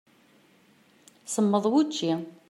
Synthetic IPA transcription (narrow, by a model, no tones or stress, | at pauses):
səmːəðˤwut͡ʃːi